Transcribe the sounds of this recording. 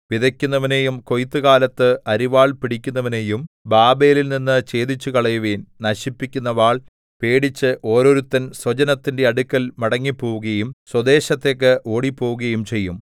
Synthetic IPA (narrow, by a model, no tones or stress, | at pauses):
ʋiðɐkʲːunːɐʋɐne̞ːjumko̞jt̪ːɨkaːlɐt̪ːɨɐɾiʋaːɭpiɽikʲːunːɐʋɐne̞ːjum | baːbe̞ːlilninːɨt͡ɕe̞ːd̪it͡ɕːukɐɭɐjuʋeːnnɐɕipːikʲːunːɐʋaːɭ | pe̞ːɽit͡ɕːɨʔo̞ːɾo̞ːɾut̪ːɐnswɐd͡ʑɐnɐt̪ːinde̞ɐɽukːɐlmɐɽɐŋːipːo̞ːʋuɣɐjumswɐd̪e̞ːɕɐt̪ːe̞ːk̬ːɨʔo̞ːɽipːo̞ːʋuɣɐjumt͡ɕe̞jːum